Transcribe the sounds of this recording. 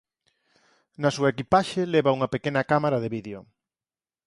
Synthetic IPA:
nɐsuɐekipaʃeleβauŋɐpekenɐkamaɾɐðeβiðeo

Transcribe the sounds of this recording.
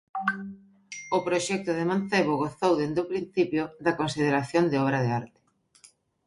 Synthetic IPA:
ʊpɾoʃɛk̚t̪ʊðɪman̟θeβʊɣoθowðend̪ʊpɾin̟θipjʊðɐkonsið̞eɾaθjond̪ɪɔβɾɐðeaɾt̪ɪ̥

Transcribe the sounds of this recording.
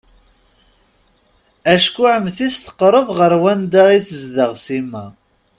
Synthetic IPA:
æʃkʊʕəmθist̪ə̥qɾˤəvʁəɾwænd̪aʁiθəzd̪əʁsimːæ

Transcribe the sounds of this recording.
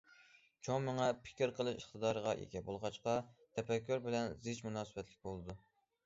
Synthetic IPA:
t͡ʃʰoŋməŋɛpʰɪ̥kʲiɾqʰəlˠɨʃiχt̪əd̪ɑːɾəʁɑʔḛkʲɛbolˠʁɑt͡ʃqɑt̪ʰɛpɛkʲːyɾbɪlɛnzɪt͡ʃmunɑːsɨbɛt̪lɪk̚ʲbolˠɨd̪u

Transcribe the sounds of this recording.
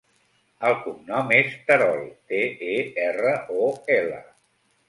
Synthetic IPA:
əlˠkumnɔmest̪əɾɔlˠt̪eeɛrəʔoɛlə̰

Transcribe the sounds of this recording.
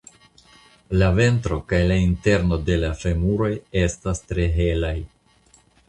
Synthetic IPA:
lave̞ntɾo̞kajlainte̞ɾno̞de̞lafe̞muɾo̞je̞stastɾe̞ɦe̞laj

